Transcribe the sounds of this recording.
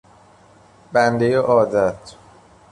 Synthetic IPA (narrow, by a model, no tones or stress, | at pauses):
bænd̪ejeʔɒːd̪æt̪ʰ